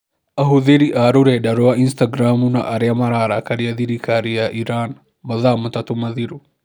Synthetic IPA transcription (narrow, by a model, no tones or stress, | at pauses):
ʔɐɦʊðiɾiʔaːɾʊɾedɐɾoɐɪnst̪ɐɡɾaːmʊnɐ̰ʔɐɾɪjɐmɐɾaːɾɐkɐɾɪjɐd̪iɾikaɾɪjaʔɪɾaːn | bɐðaːmʊt̪ɐt̪ʊmɐðɪɾʊ